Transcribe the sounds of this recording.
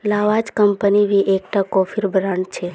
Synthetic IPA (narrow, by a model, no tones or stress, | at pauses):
laʋad͡ʒkəmpəniʋiʔek̚ʈakɔfʰiɾbɾaɳɖt͡ʃʰe